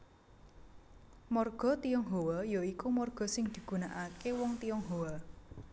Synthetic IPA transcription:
mɔrɡ̥ɔ̤t̪ijɔŋɦowɔjoikumɔrɡ̥ɔ̤sɪŋd̪̥i̤ɡ̥ṳnaʔakewɔŋt̪ijɔŋɦowɔ

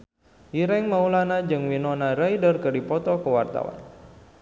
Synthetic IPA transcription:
iɾɛŋmaulanad͡ʒɨŋwinɔnarajdərkədipɔt̪ɔkəwart̪a̰wa̰n

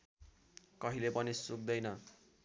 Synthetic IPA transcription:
kʌɦilepʌnisuk̚d̪ʌjnʌ

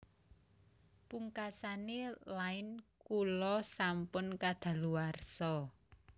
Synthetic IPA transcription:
puŋkasanelaɪnkulɔsampʊnkad̪̥a̤luarsɔ

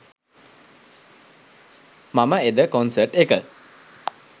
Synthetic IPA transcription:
maməed̪əkonsərʈekə

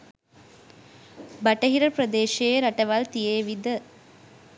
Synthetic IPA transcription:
bɐʈːɐɦiɾɐpɾɐd̪eːʃejeɾɐʈɐʋaːlt̪ijeːʋid̪ɐ

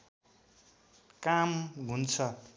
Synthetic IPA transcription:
kamɦunt͡sʰʌ

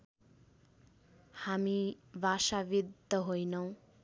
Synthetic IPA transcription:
hamibʱasabid̪ːʌɦojnʌw̃

